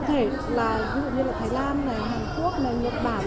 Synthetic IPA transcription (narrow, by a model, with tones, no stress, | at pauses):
t̪ʰe˧˩ | laː˨˩zə˧˦˧o̰˧˨ɲɨ˧laː˨˩t̪ʰaː˨˦jlaː˧nːa˨˩jɦaː˨˩ŋku˦˥ək̚na˨˩ɲə˨˩t̚ɓaː˧˩n